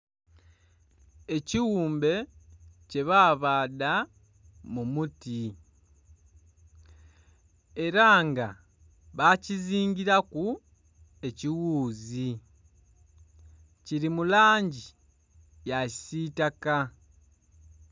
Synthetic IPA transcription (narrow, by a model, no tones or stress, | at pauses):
e̞ciwuːmbe̞ce̞βaːβaːda | mumuti | e̞ɾaːŋɡa | βaciziːɲɟiɾaku | e̞ciwuːzi | ciɾimulaːɲɟi | jaisitaka